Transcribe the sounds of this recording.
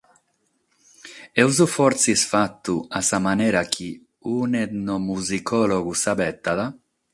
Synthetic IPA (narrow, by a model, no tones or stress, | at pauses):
ɛwzufɔɾt̪sisfat̪ːuasamanɛːɾak̟ʰi | unɛd̪nomuzikʰɔloɡusabɛt̪ːaða